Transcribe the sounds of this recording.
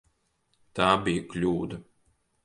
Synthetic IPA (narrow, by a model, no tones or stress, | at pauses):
t̪aːbijɐklʲuːd̪ɐ